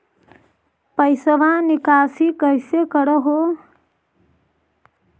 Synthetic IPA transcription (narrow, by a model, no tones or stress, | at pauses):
pəjsəʋãnikaːsikəjsekəɽəɦo